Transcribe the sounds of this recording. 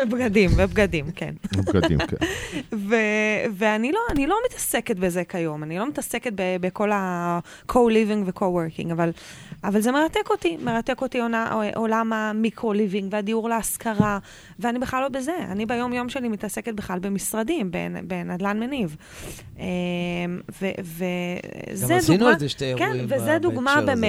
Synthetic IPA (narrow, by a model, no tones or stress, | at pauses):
bɡadimebɡadimkʰḛnb̰k | veveanilo̞anilo̞mit̪ḁseket̪bezekajo̞manilo̞mit̪aseket̪̚bebeko̞la | kʰoliviŋɡvekʰoweʁkḭŋɡavalavalze̞me̞ʁat̪eko̞t̪ime̞ʁat̪ekot̪ionaʔolamamikʁoliviŋɡveadiuʁleaskaʁa | veanibeχlalobezea̰nibejo̞mjo̞mʃe̞limit̪aseket̚beχlalbemisʁadimbḛnbenadlanmeniv | emvevezedunzeʃtekenvezed̪uɡmabeme